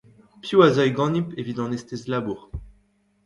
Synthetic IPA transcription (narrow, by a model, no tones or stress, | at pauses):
pjuazɔjɡɑ̃nipevid̪ɑ̃nɛst̪ezlabuːʁ